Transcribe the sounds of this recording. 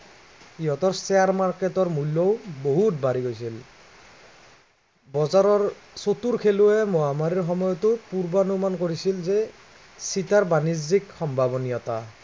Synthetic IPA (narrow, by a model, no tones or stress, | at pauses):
iɔtɔɹsɛaɹmaɹketɔɹmulːɔwboɦut̚baɹiɡojsil | bɔzaɹɔɹsotuɹkʰeluɛmɔamaɹiɹxɔmɔjɔtʊpuɹbanumankoɹisilzɛ | sitaɹbanizzikxɔmbʱabɔnijɔta